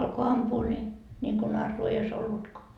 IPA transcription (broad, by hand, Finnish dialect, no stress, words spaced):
ɑlko ɑmpuː ni nʲiŋko nɑrːuː ei ois olːutkoɑ